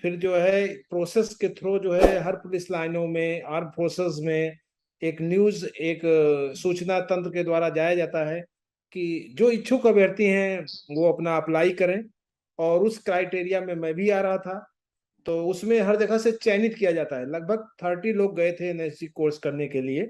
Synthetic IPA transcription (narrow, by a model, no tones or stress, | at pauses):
pʰɪɾd͡ʒoːɦɛpɾoːsesket̪ʰɾod͡ʒoːɦɛɦɐɾpʊlɪslaːɪnõmẽəɾpɾoːses̬mẽ | eːknjuːzeːksuːt͡ʃnat̪ɐ̃nt̪ɾəked̪waːɾad͡ʒaːjad͡ʒaːt̪aɦɛ | kid͡ʒoːɪtːʃʰukɐbeːɽt̪iɦɛ̃ʋoɐpnaɐplaːikɐɾẽ | ɔːɾʊskɾaːɪʈeːɾijamẽmɛ̃bʱiaːɾɐɦat̪ʰa | t̪oːʊsmẽɦɐɾd͡ʒɐɡʱaset͡ʃɛːnɪt̪kijad͡ʒaːt̪aɦɛlɐɡ̚bʱəɡ̚t̪ʰəɾʈiloːɡːɐet̪ʰeːnəɾikoːɾskɐɾnekelieː